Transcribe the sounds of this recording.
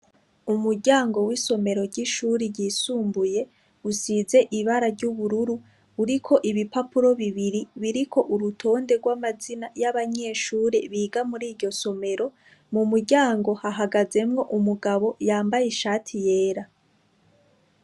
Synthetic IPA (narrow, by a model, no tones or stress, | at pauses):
umuɾɟaːŋɡo̞wiso̞me̞ɾo̞ɾɟiʃuːɾiɟiːsuːmbuje̞ | usize̞ʔiβaɾaɾɟuβuɾuɾu | uɾikʰo̞ʔiβipapuɾo̞βiβiɾiβiɾikʰo̞ʔuɾutʰo̞ːnde̞ɡwamazinajaβaɲe̞ːʃuːɾeβiːɡamuɾiːɾɟo̞so̞me̞ɾo̞ | mumuɾɟaːŋɡo̞haɦaɡaze̞mŋo̞ʔumuɡaβo̞jaːmbajeʃaːtʰije̞ːɾa